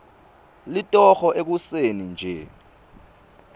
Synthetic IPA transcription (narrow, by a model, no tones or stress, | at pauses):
litʼɔxɔʔek̬usenind͡ʒʱɛ